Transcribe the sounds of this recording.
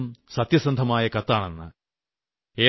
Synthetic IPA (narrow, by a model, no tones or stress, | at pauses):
msɐt̪jɐsɐnd̪ʱɐmaːjɐkɐt̪ːaːɳenːɨ | eː